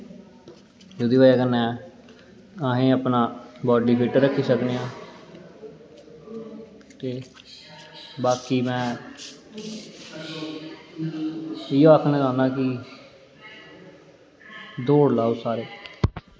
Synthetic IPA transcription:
d͡ʒoːd̪iːʋaːjaːkənːɛː | aːɦẽːəpnãːbɔːɖiːpʰeːʈəɾəkʰːiːsəkniːãː | t̪eː | baːkiːmɛ̃ː | ɪjõːakʰnəɡãːnãːki | d̪oːɽlaːoːsaːɾeː

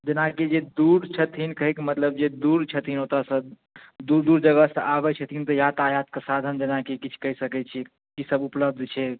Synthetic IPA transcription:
d͡ʒenakid͡ʒed̪uɾt͡ʃʰət̪ɦinkəɦɛkimət̪ləb̚d͡ʒed̪uɾt͡ʃʰət̪ɦinot̪ɾasə̃ | d̪uɾd̪uɾd͡ʒəɡəsəʔabɛt͡ʃʰət̪int̪əjat̪ajat̪̚kesad̪ʱənd͡ʒenakikit͡ʃʰkəɦisəkɛt͡ʃʰɛ | kisəbupləb̚d̪ʱt͡ʃʰɛ

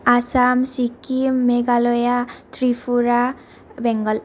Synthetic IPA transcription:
asamsikimːɛɡalɔjat̪ɾipʰuɾa | bɛŋɡɔl

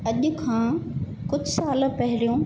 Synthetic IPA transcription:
ɐʄʊ̆kʰãː | kʊd͡ʑʱsaːlpɐɦɪlijõː

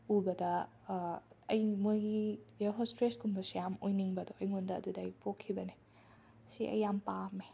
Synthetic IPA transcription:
ubɐdɐ | ɐjmojɡijaɦostɾesɡumbɐsjamojniŋbɐdɔɐjŋondɐɐ̰dudɐjpʰokʰːibɐne | siʔɐ̰jːampame

